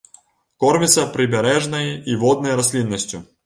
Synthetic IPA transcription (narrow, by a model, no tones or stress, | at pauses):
kɔrmʲɪt̪sɐpɾʲɪbʲɛɾɛʐnɐjiʋɔd̪̚nɐjɾɐs̬ʲlʲinːɐsʲtʲu